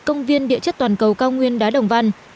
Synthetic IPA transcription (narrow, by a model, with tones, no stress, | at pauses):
kə˧wŋ͡mvi˧ənɗḭ˧˨ət͡ɕə˦˥t̚t̪waː˨˩nkə˨˩wkaː˧wŋwi˧ənɗaː˨˦ɗə˨˩wŋ͡mva˧n